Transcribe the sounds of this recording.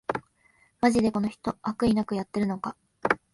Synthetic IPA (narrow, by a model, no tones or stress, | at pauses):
maʑid̪e̞ko̞no̞çi̥t̪o̞ʔakɯ̟inakɯ̟jat̪ːe̞ɾɯ̟no̞ka